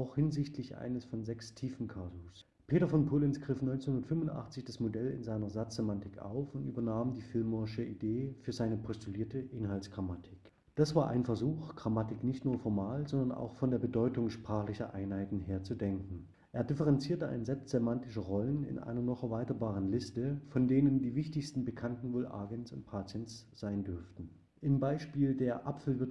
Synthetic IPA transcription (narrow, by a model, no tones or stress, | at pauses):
ʔaʊxhɪnzɪçtʰlɪçʔa̰ɪnəsfɔnzɛkstʰiːfn̩kʰazos | pʰeːtɐfɔnpʰoːlɪnsɡ̥ʁɪfnɔʏnt͡snhʊndɐtfʏmvʊntʔa̰χt͡sɪçd̥asmodɛlɪ̰nzaɪnɐzat͡sz̥emantɪkʔa̰ʊfʊntʔy̰ːbɐnaːmdiːfɪlmɔɪʃəideːfyːɐzaɪnəpʰɔstʰuliːɐtəʔɪnɦaltsɡ̥ʁamatʰɪk | d̥asv̥aːɐʔa̰ɪnfɛɐzuːxɡ̥ʁamatɪknɪçtnuːɐfɔɐmaːlzɔndɐna̰ʊxfɔndeːɐbədɔʏtʊŋʃpʁ̥aːχlɪçɐʔaɪnhaɪtn̩ɦeːɐt͡sudɛŋkŋ̩ | ʔeːɐdɪfəʁɛnt͡siːɐtəʔa̰ɪnzɛlpstz̥ɛmantɪʃəʁɔlənɪ̰nʔa̰ɪnɐnɔχɛɐvaɪtɐbaːʁ̞ənlɪstəfɔndeːnəndiːvɪçtɪçstn̩bəkʰantn̩voːlʔa̰ːɡənsʊ̰nt̚pʰaːt͡sjɛnsz̥aɪndʏɐftn̩ | ʔɪmbaɪʃpiːldeːɐʔapfl̩vɪ